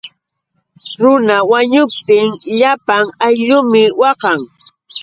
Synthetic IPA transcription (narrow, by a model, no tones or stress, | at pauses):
ɾʊnawaɲʊp̚t̪ɪŋʎapaŋajʎʊmɪwɑqɑŋ